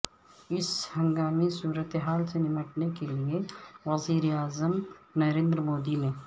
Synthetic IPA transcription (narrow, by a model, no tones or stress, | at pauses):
ɪshɐ̃ŋɡaːmisuːɾət̪eɦaːlsenɪməʈnekelieʋɐziːɾeaːzəmnɐɾẽːnd̪ɾəmoːd̪imẽ